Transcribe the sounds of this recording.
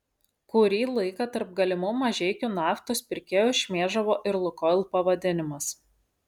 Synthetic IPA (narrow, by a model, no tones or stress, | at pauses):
kʊɾʲiːlˠɐɪkɐt̪ɐɾp̚ɡɐlʲɪmʊmɐʒʲɛɪkʲʊnɑːft̪oːspʲɪɾʲkʲeːjoːʃʲmʲeːʒɐʋoːʔɪɾlˠʊkɔlʲˠpɐʋɐd̪ʲɪnʲɪmɐs